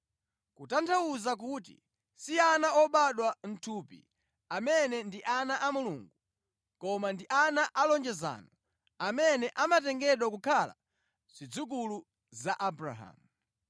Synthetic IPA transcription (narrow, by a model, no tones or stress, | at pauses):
kutantʰauzak̬ut̬ḭ | sianaɔɓaɗwan̩tʰuːpḭ | amɛnɛndiʔanaʔamulṵːŋɡu | kɔmandiʔanaʔalɔnd͡ʒɛza̰ːnɔ | amɛnɛʔamatɛŋɡɛɗwak̬ukʰala̰ | z̥id͡zuk̬ulu | zaʔabɾa̰ɦa̰mu